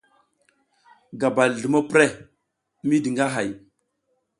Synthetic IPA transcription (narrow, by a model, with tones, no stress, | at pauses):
ɡa˨ba˨lɮə˨ma˦pɾe˦ | mi˦di˨ŋɡa˦ɦa˨j